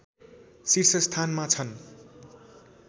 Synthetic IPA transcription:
sirsʌst̪ʰanmat͡sʰʌn

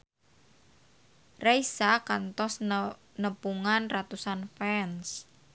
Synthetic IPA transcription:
raisakant̪ɔs | nəpuŋanrat̪usanfɛns

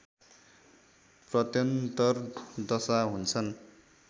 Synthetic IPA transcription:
prʌt̪jʌnt̪ʌrd̪ʌsaɦunt͡sʰʌn

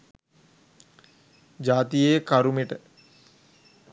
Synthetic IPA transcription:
d͡ʒaːt̪ijeːkaɾumeʈə

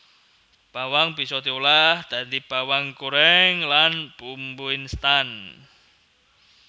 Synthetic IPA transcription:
b̥awaŋbisɔt̪iulahd̪̥and̪ib̥awaŋkuɾɛŋlanpumbuinst̪an

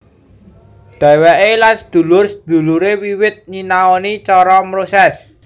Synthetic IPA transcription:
d̪̥a̤wɛʔelansəd̪̥ṳlʊrsəd̪̥ṳluɾewiwɪt̪̚ɲinaɔnit͡ʃɔɾɔmɾosɛs

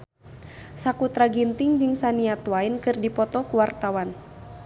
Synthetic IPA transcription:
sakut̪ɾaɡint̪ɪŋd͡ʒɨŋsaniat̪wainkɨrdipɔt̪ɔkuwart̪awan

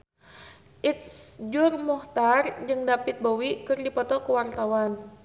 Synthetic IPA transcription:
ʔit̪̚sd͡ʒʊrmɔht̪ard͡ʒɨŋdapɪt̪̚bowikɨrdipɔt̪ɔkəwart̪awan

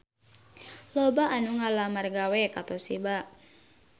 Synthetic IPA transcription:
lobaʔːnuŋalamarɡawɛkat̪osibaʔ

